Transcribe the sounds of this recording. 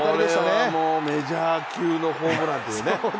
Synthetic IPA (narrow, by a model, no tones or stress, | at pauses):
iɾeaamoːme̞d͡ʑaːkʲɨːno̞hoːmɯnãnt̪ejɯne